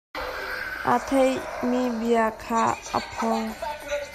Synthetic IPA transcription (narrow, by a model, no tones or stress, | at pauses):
a̰tʰejmibijakʰaɐ̰pʰɔŋ